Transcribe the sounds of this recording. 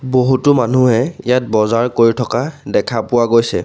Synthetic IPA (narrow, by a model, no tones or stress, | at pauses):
boɦutʊmanuɦɛijat̚bɔzaɹkoɹitʰɔkadɛkʰapʊwaɡojsɛ̰